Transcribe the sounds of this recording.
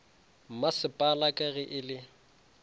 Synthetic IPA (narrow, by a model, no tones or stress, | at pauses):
m̩masɪpʼalakʼaɣɪʔɪlɪ